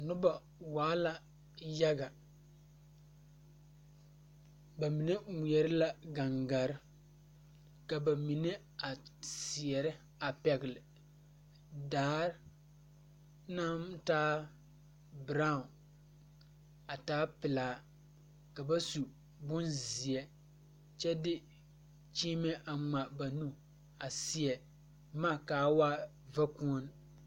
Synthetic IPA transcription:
nʊ˦ba˨ | waː˦la˨ | ja˦ɡa˨ | ba˨mi˨nɛ˦mu˨ɛ˨ɾɪ˦la˦ɡa˨ŋɡa˨ɾɪ˦ | ka˨ba˨mi˨nɛ˦ | a˨si˨ɛ˨ɾɪ˦ | a˨pɛ˨ɡɪ˨lɪ˨ | daː˨˦ɾ | na˦m˦taː˦ | bɾa˦ʊ˨n | a˨taː˦pɪ˨laː˨˦ | ka˨ba˦su˨ | bʊ˦nzi˨ɛ˦ | t͡ʃɛ˦dɪ˦ | t͡ʃiː˦mɛ˦ʔa˨ŋ͡ma˨ba˨nu˦ | a˨si˨ɛ˨ | maː˦˨kaː˨˦waː˦ | va˦ku˦ɔ˦n

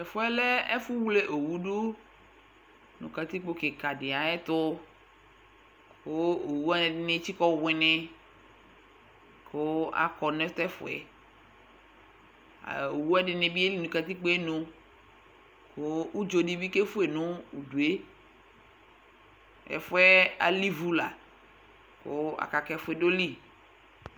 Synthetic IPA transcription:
ɛ˨fʊ˦ɛ˦lɛ˦ɛ˦fu˦wu˦le˦ʔo˨wu˦ɖu˦ | nṵ̃˨ka˨t̪i˦k͡po˦ke˨ka˨ɖɪ˨a˨ɛ˦t̪ʊ˦ | kʊ˦o˨wu˦a˦nɪ˨ɖɪ˦nɪ̃˦t͡ɕi˦kɔ˦wɪ˨nɪ˦ | kʊ˦a̰˦kɔ˨nɛ̃˦t̪ɛ˦fʊ̰˨ɛ̰˨ | a̰˨o˨wu˦a˦dɪ˨nɪ˨bi˦e˦li˦nũ˨ka˨t̪i˦k͡pe˦nũ˦ | kʊ˦u˦d͡ʒo˨di˦bi˦ke˦fu˦e˨nʊ̃˦u˨du˨e˦ | ɛ̰˨fʊ˦ɛ˦a̰˨li˦vu˦la˨ | kʊ̰˦a̰˨ka˨kɛ˦fʊ˦ɛ˨do˦li˦

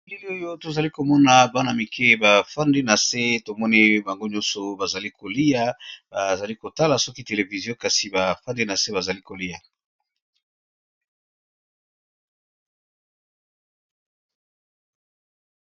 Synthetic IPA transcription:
li˦li˦o˦jo˦to˨za˨li˦ko˨mɔ˦na˨ba˦na˨mi˨kʰe˦ba˨fa˦nde˦na˨se˦to˨mɔ˦ni˦ba˨ŋɡo˦ɲɔ̃˦sɔ˨ba˨za˨li˦ko˨li˦ja˨ba˨za˨li˦ko˨ta˦la˨sɔ˦ki˦te˨le˨vi˨zjɔ̃˦ka˨si˨ba˨fa˦nde˦na˨se˦ba˨za˨li˦ko˨li˦a˨

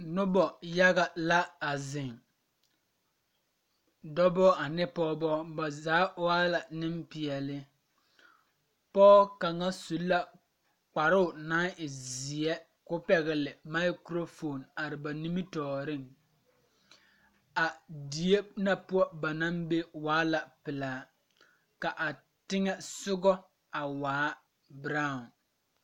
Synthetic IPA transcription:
nʊ˦bɔ˨ja˦ɣa˨la˦a˨zɪ˨ŋ | dɔ˦bɔ˦a˨nɪ˦pɔ˦bɔ˦ba˨zaː˨˦aː˦la˨nɪ˦mpɪ˨ɛ˨lɪ˦ | pɔː˦ka˨ŋa˦su˨˦la˦ | k͡pa˨ɾʊ˦ʊ˨na˦ɪ˨zɪ˨ɛ˦ | kʊ˦pɛ˨ɣɪ˨lɪ˨ma˦ɪ˦kɾo˦fo˨na˨ɾɪ˨ba˨ni˦mi˦tɔː˨ɾɪ˦˨ŋ | a˨di˨e˦na˨pʊ˦ɔ˦ba˨na˦mbe˦waː˨˦la˨pɪ˨laː˨˦ | ka˨ʔa˨ | tɪ˦ŋɛ˦sʊ˦ɡɔ˦ | a˨waː˨˦ | bɾa˦˨ʊ˨n

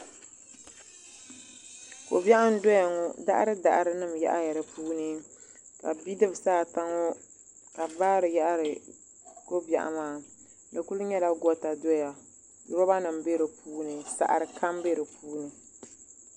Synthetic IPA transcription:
ko̰˨ba˦ʔa˦m˦do˦ja˨ŋɔ˨da̰˦ʔa̰˦ɾɨ˦da˨ʔa˨ɾɨ˦nɨ˦˨m˨ja̰˦ʔa˦jɛ˨ɾɨ˨puː˦nɨ˦ka̰˨bi˦dɨ˦bsaː˦˨ta˦ŋo˦ | ka˨baː˦ɾɨ˨ja˦ʔa˦ɾɨ˨ | ko˦ba̰˨ʔa̰˨maː˦ | nɨ˨ku˦lu˦ɲɛ˦la˦ɡɔ˦ta˨do˦ja˨ | ju˦ba˦ba˦nɨ˨mbe˦ɾɨ˨puː˦nɨ˨sa̰˨ʔa̰˨ɾɨ˨kʰa˦mbe˦ɾɨ˨puː˦nɨ˨

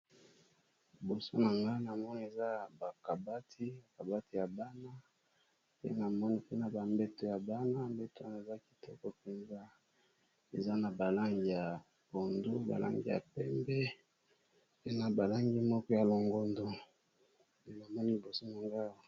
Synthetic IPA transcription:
li˨bo˨so˦na˨ŋɡa˦na˨mɔ˦ni˦e˨za˦ba˨ka˨ba˦tʰi˦ba˨ka˨ba˦ti˦ja˨ba˦na˦ | pḛ˦na˨mɔ˦ni˦pe˦na˨ba˨mbɛ˦to˨ja˨ba˦na˦mbe˦ta˦na˨e˨za˦ki̥˨tʰɔ˦kɔ˦pe˨nza˦ | e˨za˦na˨ba˨la˦ŋɡi˦˨ja˨ | bo˨ndo˦ba̰˨lʔa̰˦ŋɡḭ˦ja̰˨pɛ˦mbɛ˦ | pe˦na˨ba˨la˦ŋɡi˦mɔ˦kɔ˦ja˨lo˨ŋɡo˨ndo˦ | e˦na˨mɔ˦ni˦li˨bo˨so˦na˨ŋɡa˦˨

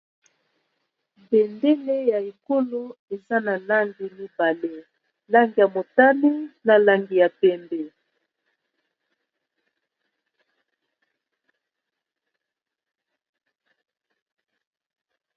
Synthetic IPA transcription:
bɛ˨nde˦le˦ja˨e˨ko˦lo˦e˨za˦na˨la˦ŋɡi˨mi˦ba˨le˦ | la˦ŋɡi˨ja˨mo˨ta˦li˦na˨la˨ŋɡi˨ja˨pɛ˦˨mbɛ˨

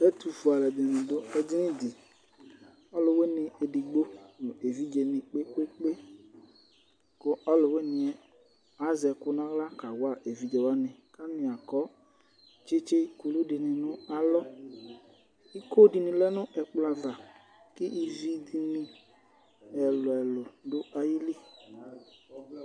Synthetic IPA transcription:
ɛ˦tu˨fu˨a˨lɛ˨d̪ɪ˨nɪ̃˨dʊ˦ɛ˨d͡ʒi˦nɪ̃˦dɪ˨ | ɔ˦lʊ˨we˦nɪ̃˧e˨di˨ɡ͡bo˦nʊ˨e˨vi˦d͡ʒe˧nɪ̃˨k͡pe˦k͡pe˦k͡pe˦ | kʊ˦ɔ˦lʊ˨we˦nɪ̃˨ɛ˨ | a˨˦zɛ˨kʊ˦nã˦ɣla˦ka˨wa˦˨ʔe˨vi˦d͡ʒɛ˨wa˦nɪ̃˨ | ka˦nɪ˨a˨kɔ˨˦ | t͡ʃe˦t͡ʃe˦ku˨lu˦dɪ˨nɪ˧nʊ˦a˦lɔ˦ | i˦ko˦di˨nɪ̃˨lɛ˦nʊ˦ʔɛ˨k͡pla˧va˨ | kɪ˦ʔi˧vi˧di˧nɪ˧ | ɛ˨lʊ˨ɛ˨lʊ˨dʊ˦a˧ji˦li˦

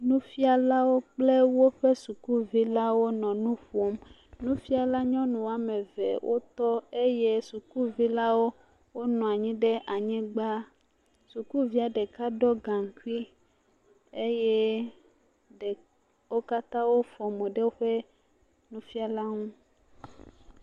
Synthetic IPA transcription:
nũ˦fi˦a˨la˦wo˦k͡ple˦wo˦ɸe˦su˨ku˦vi˦la˦wo˦nɔ̃˨nũ˦ɸo˦m | nũ˦fi˦a˨la˦ɲɔ̃˦nũ˨wa˦mẽ˨vḛ˨wʔo̰˦t̪ɔ˦e˦je˦su˨ku˦vi˦la˦wo˦ | wo˦nɔ̃˨a˨ɲĩ˦ɖe˦ʔa˨ɲɛ̃˦ɡ͡ba˦ | su˨ku˦vi˦a˨ɖɛ˨ka˦ɖɔ˦ɡã˨ŋ˨ku˦i˦ | e˦jɛ˦ | ɖe˨ | wo˦ka˦t̪ã˦wo˦fɔ˨mõ˨ɖe˦wo˦ɸe˦ | nũ˦fi˦a˨la˦ŋũ˦

